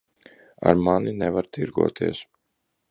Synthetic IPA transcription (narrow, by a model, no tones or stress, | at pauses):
a̰ɾmaninɛvaɾt̪iɾɡṵɔt̪ʰiɛs